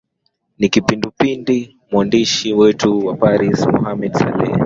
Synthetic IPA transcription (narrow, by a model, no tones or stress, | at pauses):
nikipindupindi | mwandiʃiwɛtuwapaɾismɔhamɛdsa̰lɛ̰